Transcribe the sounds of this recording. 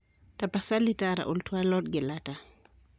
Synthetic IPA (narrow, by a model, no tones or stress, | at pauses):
tapasalitaɾa̰ʔultwalɔt̚ɡɛlata